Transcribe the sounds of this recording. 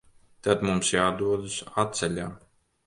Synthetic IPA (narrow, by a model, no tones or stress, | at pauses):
t̪ad̪mumsjaːd̪uɔd̪usat̪̚sɛlʲaː